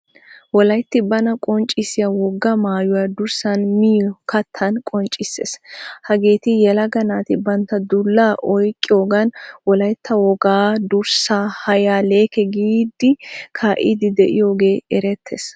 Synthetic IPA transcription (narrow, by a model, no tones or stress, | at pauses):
wɔlɐjt̪ːɪbɐnɐkʼɔnt͡ʃʼːɪsɪjawɔɡːɐmaːjʊwaːd̪ʊɾsɐnmɪjɔkʰɐt̪ʰːɐnkʼɔnt͡ʃʼːɪsːḛshɐɡe̞ːt̪ɪjɛlɐɡɐnaːt̪ɪbɐnt̪ːɐd̪ʊlːaːʔɔjkʼːɪjoːɡɐnwɔlɐjt̪ːɐwɔɡaːd̪ʊɾsaːhɐjaːle̞ːkɛɡiːd̪ɪkʰaːʔɪd̪ɪd̪ɛʔɪjo̞ːɡe̞ːɛɾɛt̪ʰːes